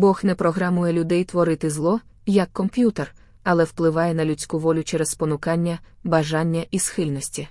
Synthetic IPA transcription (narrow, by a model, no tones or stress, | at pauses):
bɔxnɛpɾɔɦɾɐmujɛlʲʊd̪ɛjt̪ʋɔɾɪt̪ɪzlˠɔ | jɐkːɔmpʲjut̪er | ɐlˠɛwplˠɪʋɑjɛnɐlʲʊt͡sʲkuʋɔlʲʊt͡ʃɛɾɛzpɔnʊkɑnʲːɐbɐʒɑnʲːɐʔisxɪlʲnɔsʲtʲi